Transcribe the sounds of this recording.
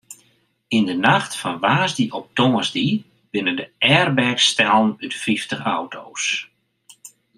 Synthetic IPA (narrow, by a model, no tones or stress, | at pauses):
indənaxtfɔnʋaːzdiʔɔp̚toːəzdi | bɪnəndəɛːrbɛkstɛlˠnytfiftəχawtʰows